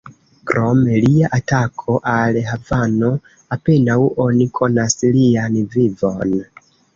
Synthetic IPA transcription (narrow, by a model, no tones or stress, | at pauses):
kɾo̞meliaʔatakʰo̞ʔalɦavano̞ | ape̞nawo̞nikʰo̞naslianvivo̞n